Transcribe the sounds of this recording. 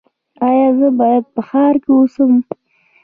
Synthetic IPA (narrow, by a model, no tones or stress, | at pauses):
ɑjɑzəbɑjad̪̚pəxɑɾkeusəm